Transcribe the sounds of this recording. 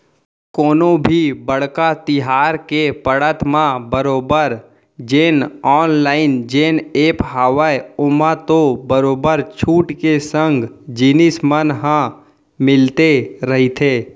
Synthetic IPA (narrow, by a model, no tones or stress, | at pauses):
koːnõbʱibəɽ̤kat̪ɪɦaːɾkepəɽət̪mãbəɾoːbəɾ | d͡ʒeːnɔːnlaːɪnd͡ʒeːneːpɦaːʋajʊmat̪obəɾoːbəɾt͡ʃʰuːʈkesə̃ŋɡd͡ʒiːnɪsmənɦã | mɪlt̪eɾəɦit̪ʰeː